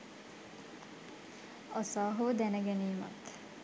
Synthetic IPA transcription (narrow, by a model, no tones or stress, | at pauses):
ɒsɑːɦod̪ɛnɛɡɛniːmɒ̰t̪